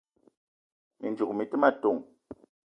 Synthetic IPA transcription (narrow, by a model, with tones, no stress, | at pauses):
mḭ˨nd͡ʒu˨k̚mi˨ti˦ma˦˨to˨ŋ